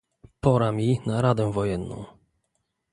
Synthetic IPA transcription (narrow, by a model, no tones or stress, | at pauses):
pɔɾamʲinaɾad̪ɛ̃vɔjɛnːɔ̰̃w̃